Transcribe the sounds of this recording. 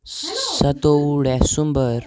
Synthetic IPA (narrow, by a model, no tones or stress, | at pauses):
sət̪oɽɛsumbəɾ